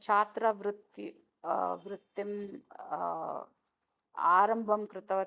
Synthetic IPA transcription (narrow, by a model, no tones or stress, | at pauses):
t͡ʃʰaːt̪ɾɐʋɾut̪ːi | ʋɾut̪ːim | a̰ːɾɐmbʱɐmkɾɪt̪ɐʋɐ